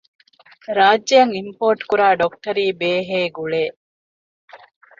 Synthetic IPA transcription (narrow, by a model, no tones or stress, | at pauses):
ɾaːd͡ʒːɐjɐŋimpoːɾʈkuɾaːɖok̚ʈɐɾiːbeːɦeːɡuɭeː